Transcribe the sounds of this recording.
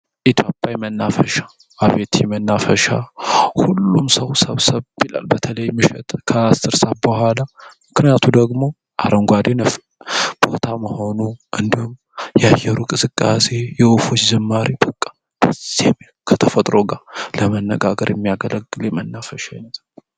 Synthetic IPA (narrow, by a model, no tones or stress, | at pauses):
ʔit̪ʰjopʼjajmənːafəʃa | ʔaβet̪ʰjɛmənːafəʃahulːumsəwsəβsəβbila̰lbət̪ʰələjmɨʃɛt̪ʼkʰəasɨɾsaβbəhʷalamɨknijat̪ʰud̪əɡmo̞ | ʔa̰ɾəŋɡʷad̪enəf | b̥ot̪ʰaməho̞nuʔɨnd̪ihum | jɛajːɛɾukʼɨsɨkʼːase̞jɛufo̞t͡ʃːd͡ʒɛmːaɾibəkʼːḁ | b̥əz̥em | kʰət̪ʰəfət̪ʼɾo̞ɡaləmənːəɡaɡəɾjɛmːijaɡələɡːɨljɛmənːafəʃajɛnəzʼa